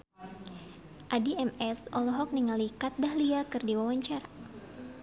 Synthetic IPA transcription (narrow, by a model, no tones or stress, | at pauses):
ʔadiɛmɛsɔlɔɦɔk̚niŋalikat̪̚bahliakɨrdiwawaɲt͡ʃaɾa